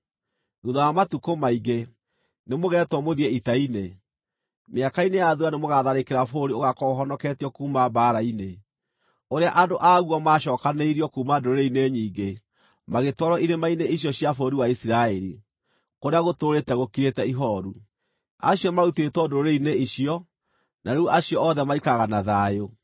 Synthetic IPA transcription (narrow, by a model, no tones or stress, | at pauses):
uðajamatukomaiɡe | nemoɣɛːtwɔmoðiɛitaine | meakainejaðuanemoɣaðaɾekeɾafoɾioɣakɔɦɔnɔkɛtiɔkuːmabaːɾaine | oɾeaʔadoʔaɣuɔmaːʃɔːkaneiɾiɔkuːmadoɾoɾeineɲiːɡe | maɣetwɔɾɔiðemaineiɕɔɕiafoɾiwaisiɾaɛɾi | koɾeaɣotoːɾetɛɣokiɾetɛiɦɔɾu | a̰ɕiɔmaɾutetwɔdoɾoɾeineiɕiɔ | naeuʔaɕiɔɔðɛmaikaɣanaðaːjo